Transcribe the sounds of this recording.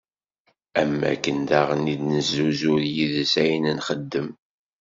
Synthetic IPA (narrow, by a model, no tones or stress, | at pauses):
æmːæ̰kːənd̪aʁənid̪nəzːuzʊɾjiðəsæjnənχəd̪ːəm